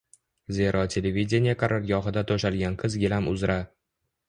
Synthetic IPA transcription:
ze̞ɾʔɒt̪ʰe̞levʲid̪ʲenijaqʰɑɾʔaɾɡʲɒɦɨd̪at̪ʰoʃalɡʲanqʰɨzɡʲɪlamʊzɾa

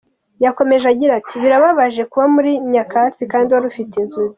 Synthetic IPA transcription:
jako̞me̞ʒaɟiɾatiβiɾaβaβaʒe̞kuβamuɾiɲakasikaːndiwaɾufiteinzuzi

